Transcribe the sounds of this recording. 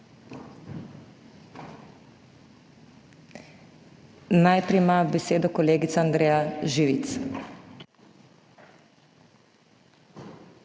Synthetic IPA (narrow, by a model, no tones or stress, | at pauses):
najpɾɛjmabɛseːd̪ɔkɔleːɡit̪saand̪ɾeːjaʒiːʋit̪s